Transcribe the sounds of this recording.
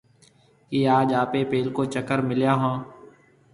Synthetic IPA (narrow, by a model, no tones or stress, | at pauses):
kiːaːd͡ʒaːpeːpeːlkoːt͡ʃəkəɾmɪljaːɦãː